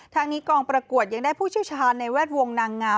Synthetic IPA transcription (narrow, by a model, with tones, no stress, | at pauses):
t̪ʰaː˦˥ŋniː˦˥kɔː˧ŋpɾa˧ku˨˩ət̪̚ja˧ŋdaː˥˩jpʰuː˥˩t͡ɕʰi˥˩t͡ɕʰaː˧nːa˧jwɛː˥˩t̪̚wo˧ŋnaː˧ŋːaː˦˥